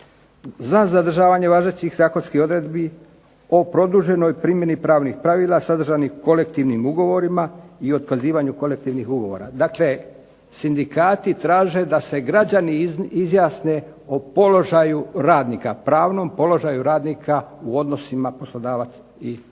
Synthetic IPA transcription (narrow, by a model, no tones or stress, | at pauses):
zazad̪r̩ʒaːʋaɲe̞ʋaːʒet͡ɕixzaːko̞nskio̞d̪ɾe̞d̪bi | o̞pɾo̞d̪uʒe̞no̞jpɾimje̞nipɾaːʋnixpɾaʋiːlˠasad̪r̩ʒaniko̞le̞kt̪iʋnimuɡo̞ʋo̞ɾimaio̞t̪kaziːʋaɲuko̞le̞k̚t̪iːʋnixuɡo̞ʋo̞̰ɾa̰d̪akle̞ | sind̪ikaːt̪it̪ɾaːʒe̞d̪ase̞ɡɾad͡ʑaniizjaːsne̞ | opo̞lo̞ʒajuɾaːd̪nikapɾaːʋno̞mpo̞lo̞ʒajuɾaːd̪nikʰauo̞d̪no̞simaposlˠo̞d̪aːʋat̪s | i